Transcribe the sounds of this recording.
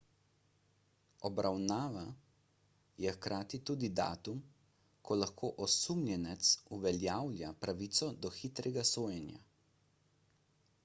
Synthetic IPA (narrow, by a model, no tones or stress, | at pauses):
ɔbɾawnaːʋa | jɛxkɾaːt̪it̪uːd̪id̪a̰ːt̪um | kʰɔlaxkʰoːʔɔsumlʲjɛnɛt̪suʋɛljawlʲjapɾaʋiːt̪sɔd̪ɔxit̪ɾɛɡasoːjɛnja̰